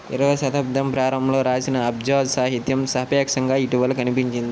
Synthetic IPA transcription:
ḭɾɐʋɐsɐt̪ɐb̚d̪ɐmpɾaːɾɐmloːɾaːsinɐːbd͡ʒaːd̪saːɦit̪jɐmsɐɦɐpjaːkʂɐŋɡaːiʈiʋɐlːɐkɐnipiɲt͡ʃind̪i

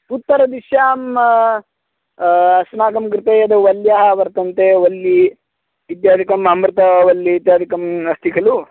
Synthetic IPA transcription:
ut̪ːɐɾɐd̪iʃjaːm | ɐsnaːɡɐmkɾɪt̪ɐjɐd̪ɐʋɐljaːɦɐʋɐɾt̪ɐnt̪eːʋɐlːi | it̪jaːd̪ikɐmɐmbɾɐt̪ɐʋɐlːiit̪jaːd̪ʱikɐmɐst̪ʰikʰɐlu

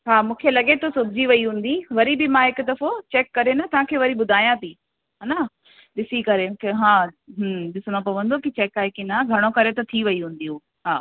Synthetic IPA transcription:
ɦaːmũːkʰelɐɠet̪ʰosʊbʱɪd͡ʑiʋɐiɦũːn̆d̪iʋɐɾibɪmãɦɪkʊd̪ɐɾfot͡ɕɛːkːɐɾenɐt̪ɐʋ̤ãkʰeːʋɐɾiɓʊd̪ʱaːjãt̪ʰiː | ɦaːna | ɗɪsikɐɾẽːkʰeɦãːɦə̃ɗɪsʊɽop̬ɐʋə̃nd̪okit͡ɕɛːkaːekinaɡʱɐɽ̃okɐɾet̪ɐt̪ʰiʋɐiɦũːn̆d̪ijũ | ɦaː

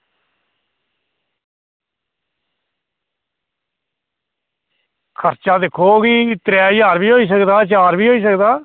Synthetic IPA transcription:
kʰəɾt͡ʃaːd̪ekʰoːɡiːt̪ɾɛːjaːɾbiːɦoːiːs̬əkd̪aːt͡ʃaːɾbiːɦoːiːs̬əkd̪aː

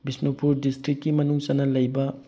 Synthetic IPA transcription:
bisnopuɾdistɾikːimɐnuŋsɐnɐlɐjbɐ

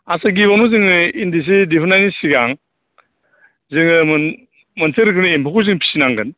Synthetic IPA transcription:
asaɡiβanuzɯŋindis̬idipʰɯnajnisiɡaŋ | zɯŋɯm | mənseɾkʰɯniempʰokʰuzɯŋpʰi̥sinaŋɡɯn

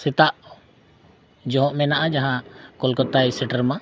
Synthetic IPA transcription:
sɛt̪aʔ | d͡ʒɔɦɔ̃ʔmɛnaʔad͡ʒaɦãkɔlkɔt̪ajsɛʈəɾma

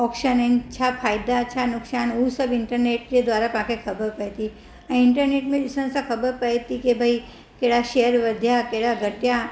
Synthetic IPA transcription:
ɔːkʃənənt͡ʃʰapʰaːjd̪at͡ʃʰanʊksaːnuːsəbɪɳʈəɾneʈ̚ked̪ʋaːɾapãkʰekʰəbəɾpət̪i | ãɪɳʈəɾneːʈmẽisə̃nsakʰəbəɾpəjt̪ikebʱai | keɽaʃejəɾʋəd̪ʱjakeɽaɡʱəʈja

